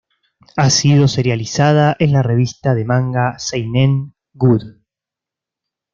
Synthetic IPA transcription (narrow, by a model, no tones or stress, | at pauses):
asið̞o̞se̞ɾjalisað̞aʔe̞nlare̞β̞ist̪aðe̞mãŋɡasejneŋ | ɡuð